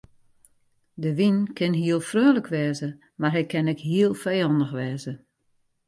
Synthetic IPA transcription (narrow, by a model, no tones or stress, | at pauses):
dəʋinkʰɪnɦiəlˠfrøːləkʰʋɛːzə | marɦɛkʰɛnɛkɦiəlˠfɛjɔndəxʋɛːzə